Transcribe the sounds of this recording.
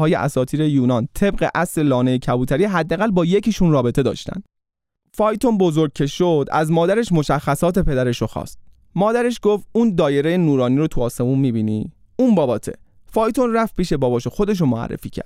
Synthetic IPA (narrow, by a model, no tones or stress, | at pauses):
ɒːjeʔæ̰sɒːt̪ʰiːɾe̞juːnɒnt̪ʰe̞bɢe̞̰ʔæsle̞lɒːnejecʰæbuːt̪ʰæɾiɦæd̪ːææɣælbɒːje̞cʰiʃunrɒːbe̞t̪e̞d̪ɒ̰ːʃt̪æ̰nd̪̥ | fɒːjt̪ʰonbo̞zoɾɟ̚kcʰe̞ʃod̪æ̰zmɒːd̪æɾe̞ʃmo̞ʃæxːæsɒːt̪ʰe̞pʰe̞d̪æɾe̞ʃoxɒ̰ːst̪̚ | mɒːd̪æɾe̞ʃɡo̞ft̪̚uːnd̪ɒːje̞ɾejenuːɾɒːniːɾot̪ʰuɒːse̞munmiːbiːni | unbɒːbɒːt̪ʰe̞̰ | fɒːjt̪ʰonræfpʰiːʃe̞bɒːbɒːʃoxo̞d̪e̞ʃ̬omoæ̰rːḛfiːcʰæ̰ɾd̪̥̚